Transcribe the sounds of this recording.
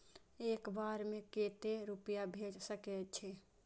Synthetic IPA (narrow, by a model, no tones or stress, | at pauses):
eːkbaɾmẽket̪eɾupijabʱed͡ʒsəkɛt͡ʃʰɛ